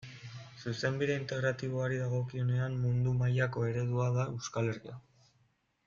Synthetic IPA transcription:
suse̞mbiðe̞int̪e̞ɣɾat̪iβ̞o̞aɾiðaɣ̞o̞kio̞ne̞ammund̪umajako̞e̞ɾe̞ð̞uaðae̞wskale̞ɾɣia

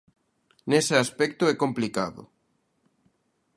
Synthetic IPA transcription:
nesɪaspɛk̚t̪ʊɛkomplikaðʊ̰

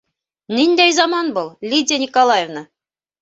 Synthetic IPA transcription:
nind̪æjzɑmɑnbulˠlʲidʲənʲikolˠajevnɤ

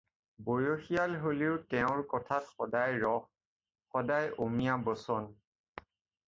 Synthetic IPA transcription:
bojoxijalɦoliʊtɛʊ̃ɹkɔtʰatxɔdajɹɔx | xɔdajomijabɔsɔn

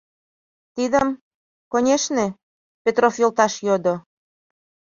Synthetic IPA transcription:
t̪id̪əm | konʲeʃne | pʲet̪rofjolt̪ɑʃjod̪o

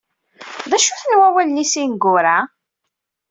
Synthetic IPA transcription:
ðæʃʊθnwæwælnisinɡʊɾa

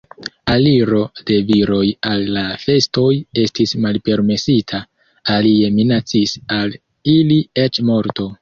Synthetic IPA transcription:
aliɾo̞d̥e̞viɾo̞jalːafe̞sto̞je̞stismalpe̞ɾme̞sitʰa | alie̞minat͡sisal | iliet͡ʃmo̞ɾto̞

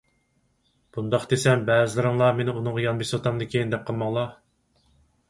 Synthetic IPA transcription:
b̥und̪ɑχd̪esɛmbɛːzɪlɪɾɨŋlˠɑmenɪunɨŋʁɑjɑnbesot̪ʰɑmd̪ɨkʲʰejind̪ɛp̚qʰəlˠmɑŋlˠɑ

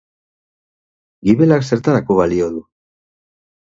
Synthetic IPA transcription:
ɡiβe̞lakse̞ɾt̪aɾako̞βalioðu

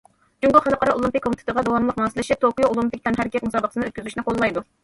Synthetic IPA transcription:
d͡ʒuŋɡʊlˠχæləp̚qʰəɾɑʔolˠumpɪkʲʰːomɪt̪ʰt̪ʰəʁɑd̪owɑnlˠəqmɑːsɨlɪʃit̪ʰokijoolˠumpɪk̚ʲt̪ʰɛnɦæɾkʲʰɛt̪̚mɨzɑːbət̪ʰsɨnɨøt̪kʲyzyʃinɪqʰolˠlˠɑjd̪u

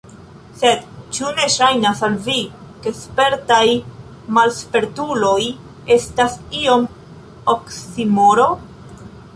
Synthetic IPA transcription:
se̞dt͡ʃune̞ʃajnasalvike̞spe̞ɾtaj | malspe̞ɾtulo̞j | e̞stasio̞m | oksimoɾo̞

